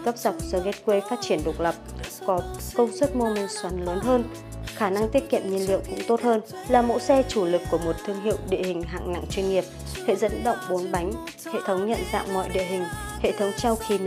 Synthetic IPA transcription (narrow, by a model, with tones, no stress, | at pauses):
kə˦˥p̚za˨˩k͡p̚zəː˨˧˩ɣe˦˥t̚kwe˧faː˦˥t̚t͡ɕi˧˩ənɗo˨˩k̚lə˨˩p̚kɔ˨˦kə˧wŋ͡mswə˦˥t̚mu˧mi˨˩ŋswa˨˦nləː˨˦nɦəː˧n | xaː˧˩na˧ŋt̪i˦˥ət̚kḭ˧˨əmɲi˧nlḭ˧˨əwkʊ̰˧˥ŋ͡mt̪o˦˥t̚həː˧n | laː˨˩mo̰˧˥sɛ˧t͡ɕu˧˩lɨ˨˩kːu˧˩əmo˨˩t̚t̪ʰɨ˧əŋɦḭ˧˨əwɗḭ˧˨əhï˨˩ŋ̟ɦa̰ː˧˨ŋna̰˧˨ŋt͡ɕwi˧nŋi˨˩əp̚hḛ˧˨zə̰˧˥nɗə̰˧˨wŋ͡mɓo˨˦nɓa˨˦jŋ̟ | hḛ˧˨t̪ʰə˨˦wŋ͡mɲə̰˧˨nza̰ː˧˨wmɔ̰˧˨jɗḭ˧˨əɦï˨˩ŋ̟ | hḛ˧˨t̪ʰə˨˦wŋ͡mt͡ɕa˧wxi˧